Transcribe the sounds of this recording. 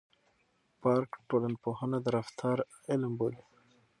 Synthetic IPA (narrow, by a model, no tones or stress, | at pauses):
pɑɾkʈolanpohanad̪əɾaft̪ʰɑɾ | ɪlmbol